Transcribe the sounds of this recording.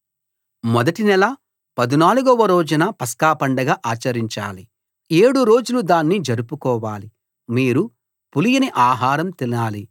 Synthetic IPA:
mɔd̪ɐʈinɛlɐ | pɐd̪inaːluɡɔʋɐɾoːd͡ʒunɐpɐskaːpɐɳɖɐɡaːʔaːt͡ʃɐɾiɲt͡ʃa̰ːli | e̞ːɽuɾo̞ːd͡ʒulud̪aːnːid͡ʒɐɾupukɔːʋaːli | miːɾu | pulijɐniʔaːɦaːɾɐmt̪ilaːli

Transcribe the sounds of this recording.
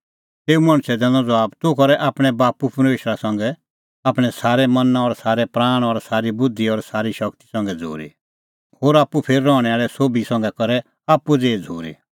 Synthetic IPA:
t̪eːumɐ̃ɽ̃sɛd̪ɛ̃ːnɔd͡zɔaːbt̪ʊkɔɾɛʔaːpɽ̃ɛbaːpupɐɾmeːʃɾasɐ̃ŋɡɛ | aːpɽ̃ɛsaːɾɛmɐnãɔɾsaːɾɛpɾaːɽ̃ɔɾsaːɾibʊd̪ʱːiɔɾsaːɾiʃɐkt̪i̥sɐ̃ŋɡɛd͡zʱo̰ːɾḭ | ɦoːɾaːpːupʰeːɾːɔːɽ̃ɛaːɭɛsoːbisɐ̃ŋɡɛkɐɾɛ | aːpːud͡zeːd͡zʱo̰ːɾḭ

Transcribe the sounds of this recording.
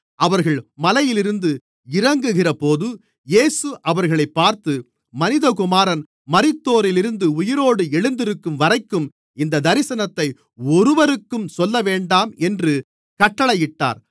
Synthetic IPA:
ʔɐʋɐɾɣɐɭmɐlɐjɪlɪɾɯnd̪ɯ | ɪrɐŋɡɯɣɪrɐpoːðɯ | jeːsɯʔɐʋɐɾɣɐɭɐɪpːaːɾt̪ɯ | mɐnɪðɐkʊmaːɾɐn | mɐɾɪt̪ːoːɾɪlɪɾɯnd̪ɯʊjɪɾoːɽɯɛɻɯnd̪ɪɾɯkːɯmʋɐɾɐɪkːɯm | ɪnd̪ɐd̪ɐɾɪsɐnɐt̪ːɐɪ | ɔɾɯʋɐɾɯkːɯmsɔlːɐʋeːɳɖaːmɛndrɯ | kɐʈːɐɭɐjɪʈːa̰ːɾ

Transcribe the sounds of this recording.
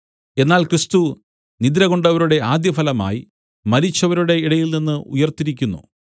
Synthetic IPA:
e̞nːaːlkrɨst̪u | nid̪iɾɐɣo̞ɳɖɐʋɐɾuɽe̞aːd̪jɐfɐlɐma̰ːji | mɐɾit͡ɕːɐʋɐɾuɽe̞iɽɐjilninːɨṵjɐrt̪ːiɾikʲːunːṵ

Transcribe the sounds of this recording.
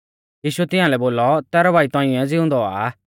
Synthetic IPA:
jiːʃʊɛt̪ɪ̃ãːlɛboːlɔt̪ɛːɾɔbʱaːit̪ãːĩɛd͡zɪʊ̃nd̪ɔa̰ː

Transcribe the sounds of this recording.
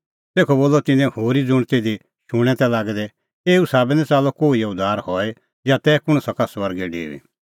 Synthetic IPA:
t̪eːkʰɔboːlːɔt̪ɪnɛ̃hoːɾid͡zʊɽ̃t̪ed̪i | ʃʊɽ̃ɛ̃t̪ɛ̃laːɡd̪ɛ | eːusaːbɛnɛ̃t͡saːlɔkoːiʊd̪ʱaːɾhɔɛ | jat̪ɛːkʊɽ̃sɐkaswɐɾɡɛɖḛːʋḭ

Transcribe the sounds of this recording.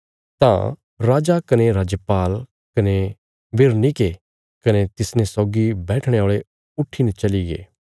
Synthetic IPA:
t̪ã̰ | ɾaːd͡ʒakɐneɾaːd͡ʒjəpaːl | kɐne | beɾnike | kɐnet̪ɪsnẽsɔːɡibɛːʈʰɽ̃eoːɭe | ʊʈʰːinɛt͡ʃɐliɡḛː

